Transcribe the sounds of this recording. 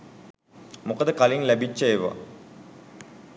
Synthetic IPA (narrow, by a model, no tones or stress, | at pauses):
mukəd̪əkaliŋlæbit͡ʃːəeʋa̰